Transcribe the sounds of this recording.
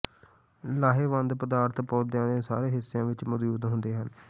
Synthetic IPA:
laːɦeːʋə̃nd̪pəd̪aːɾt̪ʰpoːd̪jãːd̪ẽːsa̰ːɾeːɦɪsejãːʋɪt͡ʃmʊd̪juːd̪ɦʊnd̪eːɦən

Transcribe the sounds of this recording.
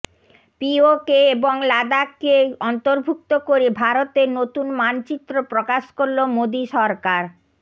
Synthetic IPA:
piokeeboŋlad̪akeɔnt̪oɾbʱuk̚t̪okoɾebʱaɾot̪eɾnot̪unmant͡ɕit̪ːɾopɾokaʃkoɾlomod̪iʃɔɾkaɾ

